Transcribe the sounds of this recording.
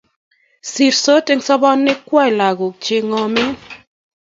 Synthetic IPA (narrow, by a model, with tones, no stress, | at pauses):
si˨ɾso˦te˦ŋsɔ˦bɔ˦nːɪ˦kwa˦ɪ˨la˨ɡo˨k̚t͡ʃe˨ŋɔ˨mɪ˦